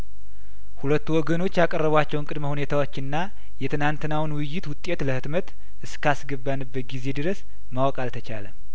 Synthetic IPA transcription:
hulət̪ːuwɔɡəno̞t͡ʃːjakʼərːəβat͡ʃːɛwɨŋkʼɨd̪məhune̞t̪ʰawo̞t͡ʃːɨnːa | jɛt̪ʰɨnant̪ɨnawnwɪjːɪt̪wʊt̪ʼːe̞t̪ləhɨt̪mət̪ | ʔɨskʰasɡəbanɨbːət̪̚ɡize̞d̪ɨɾəs | mawkʼalt̪ʰət͡ʃa̰lə

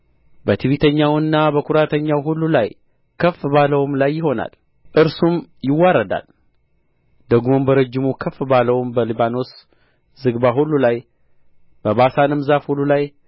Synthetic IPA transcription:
bət̪ʰiβit̪ʰəɲːawɨnːabəkʰʊɾat̪ʰəɲːawɦulːulaj | kʰəfbaləwmlajːɪɦo̞na̰l | ʔɨɾsumjɪwːaɾəd̪a̰l | d̪əɡmombəɾəd͡ʒːɪmukʰəfbaləwmbəliβano̞s | zɨɡbaɦulːulaj | b̥əβasanɨmzafhulːulaj

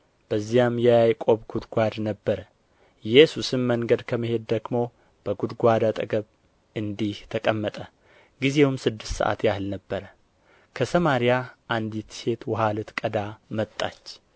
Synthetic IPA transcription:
b̥əzːijamjɛjajkʼo̞βɡud̪ɡʷad̪nəbːəɾə | jɛsusɨnməŋɡəd̪kʰəmɨhe̞d̪ːəɡmo̞ | b̥əɡud̪ɡʷad̪at̪ʼəɡəβ | ɨnd̪iht̪ʰəkʼəmːət̪ʼə | ɡize̞wmsɨd̪ːɨst̪sə̰ʔa̰t̪jahɨlnəbːəɾə | kʰəsəmaɾijaʔand̪it̪se̞t̪wɔɦalɨt̪kʼəd̪amət̪ʼːa̰t͡ʃː

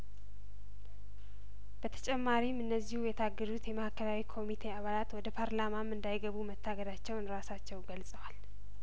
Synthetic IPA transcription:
b̥ət̪ʰə̥t͡ʃʼɛmːaɾimɨnːəzːihujɛt̪ʰaɡːəd̪ut̪jɛməhakʰəɾawikʰo̞mit̪ʰe̞aβalat̪wɔd̪əpʰaɾlamamɨnd̪ajɡəβumət̪ʰːaɡəd̪at͡ʃːɛwnɾasat͡ʃːɛwɡəlsʼəwal

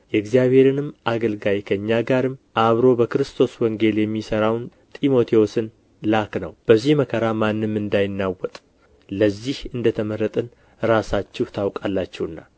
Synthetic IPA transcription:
jɛɨɡzijaβhe̞ɾɨnɨmʔaɡəlɡajkʰəɨɲːaɡaɾɨmːʔaβɾo̞bəkɨɾɨst̪ʰo̞swɔŋɡe̞ljɛmːisəɾawn | t̪ʼimo̞t̪ʰiwosɨn | laknə̰wb̥əzːihməkʰəɾamanːɨmːɨnd̪ajɪnːawɔt̪ʼ | ləzːihɨnd̪ət̪ʰəməɾːət̪ʼɨn | ɾasat͡ʃːɛhut̪ʰawkʼalːat͡ʃːɛwɨnːa̰

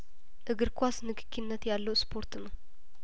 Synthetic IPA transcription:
ʔɨɡɨɾkʰʷasnɨkʰɨ̥kʰːinːət̪jalːəwspʰo̞ɾt̪nəw

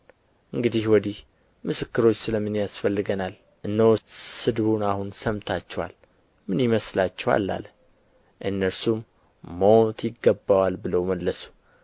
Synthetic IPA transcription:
ʔɨŋɡɨd̪ihwɔd̪ih | mɨsɨkːɨɾo̞t͡ʃːsɨləmːɨnjasfəlːɨɡənal | ʔɨnːəwsɨd̪βunahunsəmt̪ʰat͡ʃːɛwa̰l | mɨnjɪməslat͡ʃːɛwa̰lːa̰l | ʔɨnːəɾsumː | əwt̪jɪɡːəbːawalbɨləwməlːəsu̥

